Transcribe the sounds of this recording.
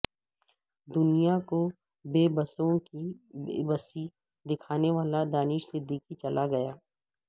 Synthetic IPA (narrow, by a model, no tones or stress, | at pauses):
d̪ʊnijako | beːbəsõkḭːbəsi | d̪ɪkʰaːneʋaːlad̪aːnɪʃsed̪ɪkit͡ʃɐlʔaɡɐjaː